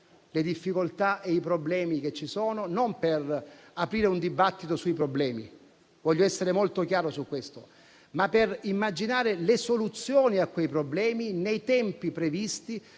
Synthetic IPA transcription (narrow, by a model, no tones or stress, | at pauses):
led̪ifːikolt̪aʔeipɾoblɛːmik̟et͡ʃːisɔːnonomperapɾiːɾeund̪ibat̪ːit̪osuipɾoblɛːmḭ | vɔʎːoɛsːeɾemolt̪okjaːɾosukːwest̪o | mapːerimːad͡ʒinaːɾelesolut̪sːjoːniakːwejpɾoblɛːminejt̪ɛmpipɾevist̪i